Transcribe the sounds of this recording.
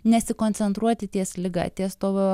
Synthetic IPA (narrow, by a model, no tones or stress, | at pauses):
nʲɛsʲɪkoːnʲt̪sʲɛnt̪ɾuɔt̪ʲɪt̪ʲiɛslʲɪɡɑ̰t̪ʲiɛst̪oːʋʲo